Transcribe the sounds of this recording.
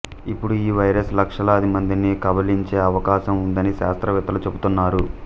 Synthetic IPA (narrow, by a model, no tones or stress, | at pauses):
ipːuɽuiːʋɐjɾɐslɐkʂɐlɐːd̪imɐnd̪inikɐbɐliɲt͡ʃe̞ːɐʋɐkaːʃɐmund̪ɐniʃaːst̪ɾɐʋɛt̪ːɐlut͡ʃe̞but̪unːaːɾu